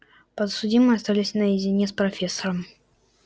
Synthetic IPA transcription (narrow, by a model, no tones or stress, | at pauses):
pət̪sʊdʲimɨɐst̪alʲɪsʲnəjɪzʲɪnʲespɾɐfʲesːəɾəm